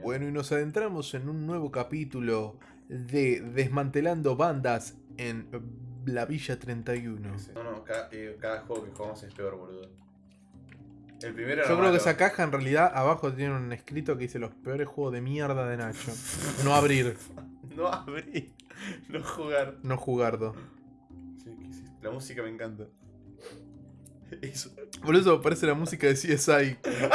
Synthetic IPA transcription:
bwenoino̞saðe̞nt̪ɾamo̞se̞nunːwe̞βo̞kapit̪ulo̞ | ðeðezmãnt̪e̞land̪oβand̪as | enlaβiʒat̪ɾent̪ajunononokaðʔekaðaxweɣokexuɣamosespeoɾβolu | elpɾimeɾoʒo̞kɾeokeesakaxaenrealiðaʔaβaxo̞t̪̬jeneune̞hkɾit̪o̞k̬e̞ðiselo̞hpeoɾe̞sxweɣoðe̞mjeɾðaðe̞nat͡ʃono̞aβɾiɾnoaβɾiɾ | noxuɣaɾno̞xuɣaɾðo | sikesit̪lamusikamẽŋkant̪a | eso̥boles̬omepaɾeselamusikaðesiesajk

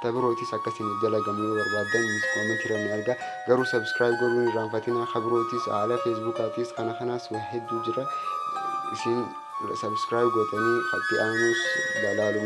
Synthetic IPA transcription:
t̪ɐbɪɾo̞ːt̪iːsɐkːɐsɪnɪfd͡ʒɐlɐɡɐmneːbɐɾbaːd̪ːɐnnɐmɐnhɪɾɐnːɪɐɾɡɐ | ɡɐɾuːsɐbskɾaːjbɡoraːnfɐt̪ɪnaxɐbɪɾo̞ːt̪isa̰ːlɐfes̬bukaːt̪iːskɐnɐkɐnaːshɛd̪ːuːd͡ʒɪɾɐ | ɪsɪn | sɐbskɾaːjbɡot̪ɐniːkɐt̪ːɪʔaːnuːslɐlaːlʊm

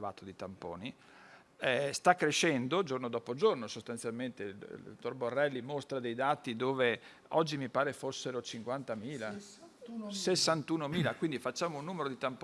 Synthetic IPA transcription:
va̰ːt̪od̪it̪ampo̰ːni | ɛst̪akːɾeʃɛnd̪od͡ʒornod̪ɔːpod͡ʒornosost̪ant̪sjalment̪ḛo̰t̪ːorborːɛlːimost̪ɾad̪ejd̪aːt̪id̪oːve | ɔd͡ʒːimipaːɾefosːeɾot͡ʃiŋkwant̪amiːla | ssesːant̪uːnomiːlakwind̪ifat͡ʃːaːmounːuːmeɾod̪it̪amp

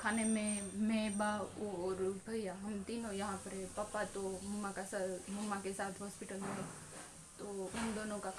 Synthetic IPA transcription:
kʰaːnemẽmeːbaɔːɾbʱɐjjaɦɐmt̪iːnõjɐɦãpɐɾẽpɐpːat̪omɐmːakasamɐmːakesaːt̪ʰɦɔːspɪʈəlmẽɦẽ | t̪oʊnd̪oːnõka

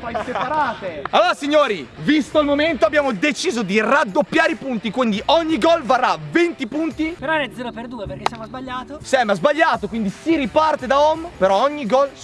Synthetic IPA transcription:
fajsepaɾaːt̪ealoasiɲːoːɾivist̪oilmoment̪oabːjaːmod̪et͡ʃiːzod̪irad̪ːopːjaːɾeipunt̪ikwind̪iʔɔɲːiɡɔlvarːavent̪ipunt̪ipeɾɔnɛd̪zɛːɾoperd̪uːeperkesːjamozbaʎːaːt̪osɛmazbaʎːaːt̪okwind̪isiɾipart̪ed̪aɔmːpeɾɔɔɲːiɡɔl

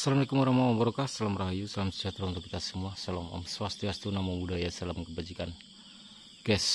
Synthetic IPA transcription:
salamalekumɔɾamawambəɾokasalamraɦajusalamsəd͡ʒat̪ɾaunt̪ʊkːi̥t̪asəmuasalama̰mswast̪iast̪unamabudajasəalamkəbad͡ʒikan | kɛs

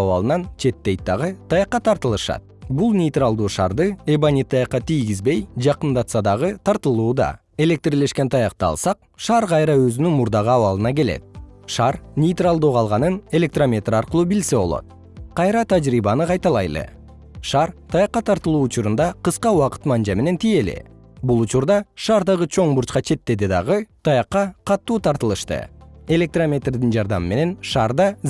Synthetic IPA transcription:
ɑwɑ̰lˠɯnɑnt͡ʃʰe̞t̪ːe̞jt̪d̪ɑʁɯt̪ʰɑjɑqːɑt̪ʰɑɾt̪ɯlˠɯʃɑ̰t̪̚bulˠnʲejt̪ralˠd̪uːʃɑ̰ɾd̪ɯebanʲit̪ʰːɑjɑqːɑt̪ijɡʲizbe̞jd͡ʒɑqənd̪ɑt̪sɑd̪ɑʁɯt̪ʰɑɾt̪ɯlˠuːd̪ɑ̰ | e̞lʲe̞k̚t̪rile̞ʃkʲe̞nt̪ʰɑjɑqt̪ɑ̰lˠsɑq̚ | ʃɑːɾqʰɑjɾɑøzynynmuɾd̪ɑʁɯɑwɑlˠɯnɑke̞lḛt̪̚ʃɑɾnʲejt̪ralˠd̪oːqʰɑlˠʁɑnɯne̞lʲe̞k̚t̪romʲe̞t̪rɑɾqəlˠuːbilse̞βo̞̰lˠo̞̰t̪̚ | qʰɑjɾɑt̪ʰæd͡ʒɾiβɑnɯqʰɑjt̪ɑlˠɑ̰jlˠɯ̰ | ʃɑɾt̪ʰɑjɑqːɑt̪ʰɑɾt̪ɯlˠuːt͡ʃuɾund̪ɑqɯsqɑuɑqɯ̥t̪mɑnd͡ʒɑme̞ne̞nt̪ʰije̞lḭ | bulˠut͡ʃuɾd̪ɑʃɑːɾd̪ɑʁɯt͡ʃʰo̞ɴbuɾt͡ʃqɑt͡ʃʰe̞t̪ːe̞d̪id̪ɑ̰ʁɯt̪ʰɑjɑqːɑqʰɑt̪ːuːt̪ʰɑɾt̪ɯlˠɯʃt̪ɯ̰e̞lʲe̞k̚t̪romʲe̞t̪rd̪ind͡ʒɑɾd̪ɑmɯme̞ne̞nʃɑːɾd̪ɑ

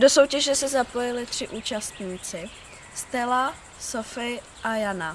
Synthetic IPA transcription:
doso̞wcɛʒɛsɛzapo̞jɪlɪt̪r̝̥ɪʔuːt͡ʃast̪ɲiːt͡sɪ | st̪ɛla | sofɪ | ʔajana

